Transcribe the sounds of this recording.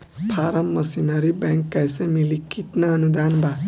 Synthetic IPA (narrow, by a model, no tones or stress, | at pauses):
pʰaɾəmːʌsinʌɾibɛŋkːajsẽmilikit̪naʌnud̪anbʱa